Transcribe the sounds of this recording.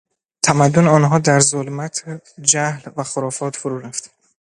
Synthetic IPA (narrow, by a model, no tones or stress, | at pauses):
t̪ʰæmæd̪ːoneɒːnɦɒːd̪æɾzolmæt̪ʰ | d͡ʒæhlvæxoɾɒːfɒːt̪ʰfoɾuːɾæft̪